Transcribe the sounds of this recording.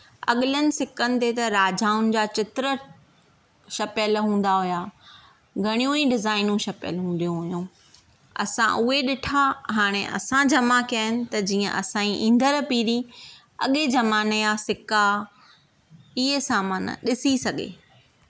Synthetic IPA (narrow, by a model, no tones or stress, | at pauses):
ɐ̰ɠɪlənɪ̆sɪkənɪ̆t̪et̪ɐɾaːd͡ʑaːʊnɪ̆d͡ʑaːt͡ɕɪt̪ɾə | ʃɐpjəlɦũːn̆d̪aɦʊjaː | ɡʱɐɽ̃ijũiɖɪzaːɪnũʃɐpjə̰lɦũd̪ijũɦʊijũː | ɐ̰sã̰ʔʊɦeɗɪʈʰaɦaːɽ̃ḛʔɐ̰sãd͡ʑɐmakijaːɦɪnɪ̆t̪ɐd͡ʑiːə̰̃ʔɐ̰sãːĩʔĩːn̆d̪əɾpiːɾi | ɐ̰ɠed͡ʑɐmaːnjasɪka | ɪɦesaːmən̰ɗɪsisɐɠḛː